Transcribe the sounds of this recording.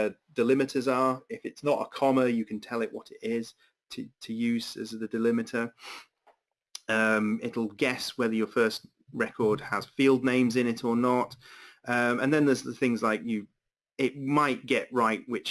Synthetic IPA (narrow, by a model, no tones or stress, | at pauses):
d̥ɪlɪ̃mɨtʰəzə˞ɪfɪtsnətə̰kʰɒməjɨkʰə̃ntʰɛlˠɪʔwɒɾɪtɪz̥ | tʰɨtʰəjʉz̥ɨ̰zðədɪlɪmɨtʰə˞ | ʌ̃mɪɾl̩ˠɡɛswɛðəjə˞fɜˑ˞st̚ | ɹɛkʰɔɹd̥̚əz̥fiːlˠdⁿnẽɪ̃mzɪ̃ñɪtʰə˞nətʌ̃mə̃nðə̃nðəzəθɪ̃ŋzlaɪkjɨ | ɪʔ̚maɪʔ̚ɡ̥ɛʔɹaɪʔwɪt͡ʃ